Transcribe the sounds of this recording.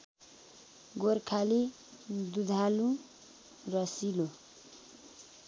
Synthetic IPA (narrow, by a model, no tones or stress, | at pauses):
ɡorkʰali | d̪ud̪ʱalũ | rʌsilo